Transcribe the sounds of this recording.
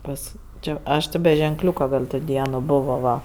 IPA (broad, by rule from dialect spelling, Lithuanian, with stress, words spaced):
ˈpɐs ˈt͡ʃʲɛ ˈɐʃ tʲɪ bʲɛ ʒʲɛŋˈklʲuːkɐ ˈɡɐlʲ toː ˈdʲiɛnoː ˈboːʋoː ˈʋɐ